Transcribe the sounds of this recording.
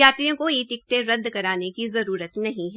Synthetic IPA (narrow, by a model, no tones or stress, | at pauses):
aːt̪ɾijõkoiːt̪ɪk̚t̪eɾɐd̪ʱːkɐɾaːnekizɐɾuːɾət̪nɐɦĩɦɛ